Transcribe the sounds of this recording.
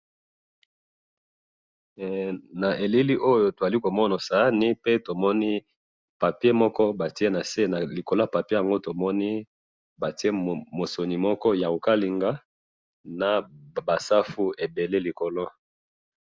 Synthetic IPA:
na˨ʔe˨li˦li˦ʔo˦jo˨to˨a˨li˦ko˨mɔ˦na˨sa˨a˦ni˦pe˦to˨mɔ˦ni˦ | pa˨pi˦e˦mɔ˦kɔ˦ba˨ti˦e˦na˨se˦na˨li˨ko˨lo˦a˦˨pa˨pje˦ja˨ŋɡo˦to˨mɔ˦ni˦ | ba˨ti˦e˦mo˨so˨ni˨mɔ˦kɔ˦ja˨o˨ka˦li˨ŋɡa˦ | na˨ba˨sa˦fu˦e˨be˨le˦li˨ko˨lo˦

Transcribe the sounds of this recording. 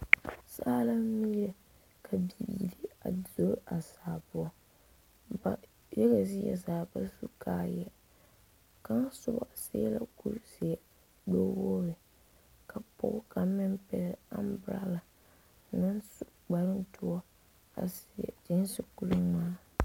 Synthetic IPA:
saː˦la˦mi˦jɛ˦ | kʰa˨bi˨di˦a̰˨zo˦ɾʔa˨saː˨bʊ˦ɔ˦ | ba̰˨ | jɛ˦ɣa˨zɪ˦jɛ̰˨zaː˨ba˦su˦kʰaː˨jɛ˨ | ka˦n˦sʊ˦bɔ̰˨sḛː˦la̰˦ku˦ɾsɪ˨ɛ˨ | ɡ͡bɛ˦woː˦ɾɪ˨ | ka˨pʊ̰˦kʰa˨mɪ˦npɛ̰˨lɪ˨a̰˦m˦bɾa̰˦la˨ | nɨ˦nsu˦ɡ͡ba˨ɾɨ˦ntʊ˦ɔ˦ | a̰˨sɛ̰˨d͡ʒɪ˦n˦sɨ˦ku˨ɾɨ˦maː˦

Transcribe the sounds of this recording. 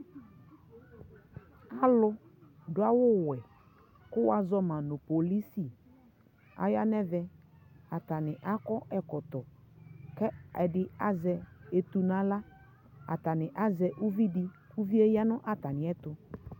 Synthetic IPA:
a˨lʊ˦dʊ˨˦a˦wʊ˦wɛ˨ | kʊ˦wa˨zɔ˦mã˨nʊ̃˨po˨li˦si˨ | a̰˨ja˦nɛ˦vɛ˨a˨t̪a˨nɪ̃˨ʔa˦kɔ˦ʔɛ˨kɔ˨t̪ɔ˨ | kɛ˦ɛ˨dɪ˦a˦zɛ˨e˨t̪u˨nã˦la˦ | a̰˨t̪a˨nɪ˨ʔa˦zɛ˨ʔu˦vi˦dɪ˦ku˦vi˦e˦ja˦nʊ̃˦ʔa˨t̪a˨nɪ̃˨ɛ˦t̪ʊ˨

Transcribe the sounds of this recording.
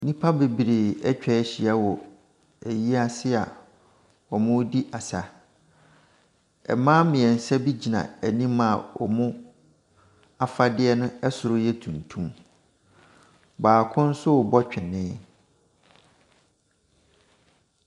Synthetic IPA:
nĩ˦pʰa˦be˨bi˨ɾe˨ɛ˦t͡ɕᶣɛ˦ɕi˨a˦wɔ˨ | æ˨ji˦a˦sɪ˦a̰˨ | ɔ˨mʊ̃˦di˦ʔa˨sa˨ | ɛ̰˨mãː˦mɪ̃˨ɛ˨n̩˨sɛ˦bi˦d͡ʑi˨nã̰˨ɛ˨nĩ˦ma˨ɔ̰˨mʊ̃˦ | a˨fa˦dɪ˦ɛ˦nʊ̃˦ɛ˦sʊ˨ɾʊ˦jɛ˦tʰũ˨ntʰũ˦m | baː˨kʰʊ̃˦n̩˦sʊ˦˨bɔ˦t͡ɕᶣɪ˨nɪ̃ː˦

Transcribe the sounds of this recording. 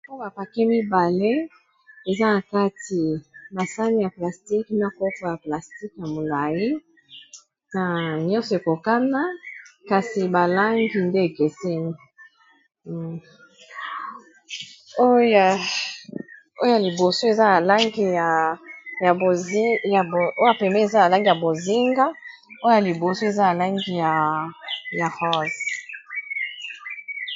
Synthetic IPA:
o˦a˨pa˨kɛ˦mi˦ba˨le˦ | e˨za˦na˨ka˦ti˨ba˨sa˦ni˦ja˨pla˨sti˦kn˦a˦ko˦po˨ja˨pla˨sti˦kja˨mo˨la˨ji˦ | na˨ɲɔ̃˦sɔ˨e˨ko˨ka˦na˦ka˨si˨ba˨la˦ŋɡi˨nde˦e˨kɛ˨sɛ˦ni˦ | o˦j | o˦jja˨li˨bo˨so˦e˨za˦na˨la˦ŋɡi˨ja˨ja˨bo˨zja˨bo˦ja˨pɛ˨mbɛ˦e˨za˦na˨la˦ŋɡi˨ja˨bo˨zi˦ŋɡa˦ | o˦o˦ja˨li˨bo˨so˦e˨za˦na˨la˦ŋɡi˨ja˨ | ja˨hɔ˦˨z

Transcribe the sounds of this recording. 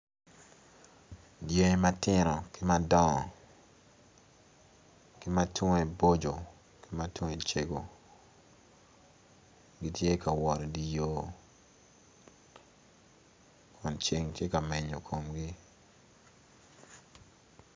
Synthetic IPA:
dje˦ma˦tɪ˦ɾɔ˨ki˦ma˦dɔ˦˨ | ki˦ma˦tŋe˨bo˦d͡ʒo˨ | ki˦ma˦twŋe˨t͡ʃe˨ɡo˨ | ɡi˦tje˦ka˨wɔ˨ɾdi˨jo˦ | kʰɔ˨nt͡ʃe˨ŋtje˦ka˨me˨ɲo˨kʰo˨mɡi˦

